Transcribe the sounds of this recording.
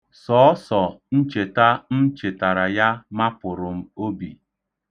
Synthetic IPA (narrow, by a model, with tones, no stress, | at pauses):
sɔ˨˦ɔ˦sɔ˨n̩˦t͡ʃe˨ta˦n̩˦t͡ʃe˨ta˨ɾa˨ja˦ma˦pʊ˨ɾʊ˨m̩˦o˦bi˨